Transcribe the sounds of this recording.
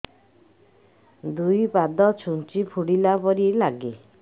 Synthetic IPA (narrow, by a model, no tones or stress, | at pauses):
d̪ujpad̪ɔt͡ʃʰunt͡ʃipʰuɽilapɔɾilaɡi